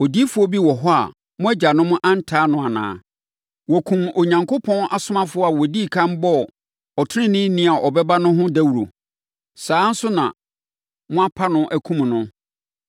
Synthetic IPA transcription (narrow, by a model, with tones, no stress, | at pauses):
ɔ˨di˦fʊ˨˦ɔ˦bi˦wɔ˨ɦɔ˦a̰˨ | mʊ̃˦æ˦d͡ʑa˨nʊ̃˦mʊ̃˦ʔã˦n̩˦tʰaː˨˦nʊ̃˨a˨nã̰ː˨ | wɔ˨kʰũ˨mo˨ɲã˨ŋko˦pʰɔ̃˦nʔa˨sʊ˦mã˦fʊ˦ɔ˦a˨wɔ˨di˦˨kʰã˦mbɔ˦ | ɔ˨tʰʊ˦ɪ̃˦nɪ̃˦nĩ˦a˨ʔɔ˨bɛ˦ba˦nʊ̃˦ɦʊ̃˦dæ˦wu˨ɾo̰˨ | saː˨˦n̩˦sʊ˦nã̰˨ | mʊ̃˦a˦pʰa˦nʊ̃˦ʔæ˨kʰũ˦m˨nʊ̃˦